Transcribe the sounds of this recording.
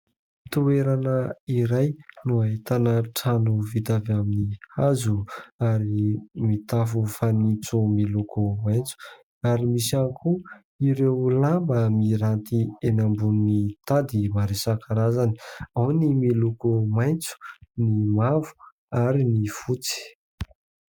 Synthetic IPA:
t̪ueɾanəiɾajnuaet̪anaʈ͡ʂanuvid̪avaminihazuaɾimit̪afufanit͡sumilukumajnt͡su̥ | aɾimisankʰu | iɾewlambəmiɾant̪ienambunnit̪ad̪imaɾesakaɾazani̥awnimilukumajnt͡su̥nimavu̥ | aɾinifut͡si̥

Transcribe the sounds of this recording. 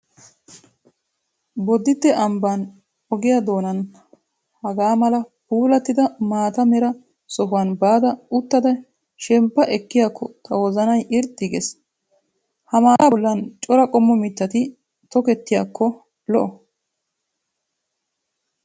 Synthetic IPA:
bɔd̪ːɪt̪ːɛʔɐmbaːn | ɔɡɪjad̪oːnɐn | hɐɡaːmɐlɐpuːlɐt̪ːɪd̪ɐmaːt̪ɐmɛɾɐ | sɔɦʊwanbaːd̪ɐʊt̪ːɐd̪ɐ | ʃɛmpːɐʔɛkːɪjakʰːɔt̪ʰɐwɔzɐnɐjʔɪɾt̪ʼːɪɡɛs | hɐmaːɔlːɐnt͡ʃʼɔɾɐkʼɔmːɔmɪt̪ːɐt̪ɪ | t̪ɔkɛt̪ːɪjakːɔ | lɔʔɔ

